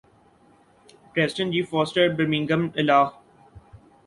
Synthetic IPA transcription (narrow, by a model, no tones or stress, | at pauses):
pɾeːzɪɖə̃ɳʈd͡ʒiːfɔːsʈəɖbəɾmɪ̃ŋɡə̃mɪlaːh